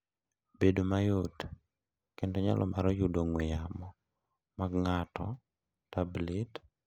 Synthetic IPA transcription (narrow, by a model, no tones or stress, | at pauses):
bedomajot | kendɔɲa̰lʔɔ̰maɾɔjudoŋwɪjamɔ | maɡŋatɔ̰ | tablit